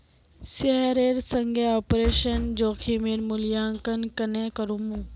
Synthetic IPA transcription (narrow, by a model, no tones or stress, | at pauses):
seɦəɾeːɾsə̃ŋɡʱeɔːpɾeːʃənd͡ʑoːkʰimeɾmʊljaŋkənkənekəɾũmũ